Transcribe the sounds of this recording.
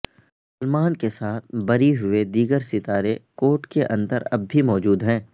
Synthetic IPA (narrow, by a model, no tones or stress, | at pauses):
sɐlmaːnkesaːt̪̚ʰbɐɾiɦʊed̪iːɡəɾsɪt̪aːɾekoːʈkeʔɐ̰̃nd̪əɾɐ̰bːimɔːd͡ʒuːd̪ɦɛ̃ː